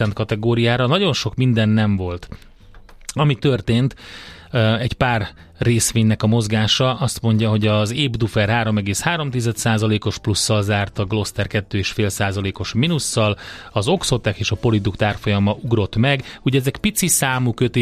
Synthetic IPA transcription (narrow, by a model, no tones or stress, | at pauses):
ɛnt̪̚kɒt̪ɛɡoːɾijaːɾɒnɒɟo̞nʃo̞kmind̪ɛnːɛɱvo̞lt̪ | ɒmit̪ørt̪eːnt̪ | ɛɟpaːrː | eːsʋeːɲnɛkɒmo̞zɡaːʃɒʔɒst̪mo̞ɲɟɒɦo̞ɟɒzeːbd̪ufɛrɦaːɾo̞mɛɡeːshaːɾo̞mt̪izɛt̪saːzɒleːko̞ʃplusːɒlzaːrt̪ɒɡlo̞st̪ɛrkɛt̪ːøːeːʃfeːlsaːzɒleːko̞ʃminusːɒlɒzo̞kso̞t̪ɛkeːʃɒpo̞lid̪ukt̪aːrfo̞jɒmɒʔuɡro̞t̪mɛɡuɟɛzɛkpit̪sisaːmukøt̪eː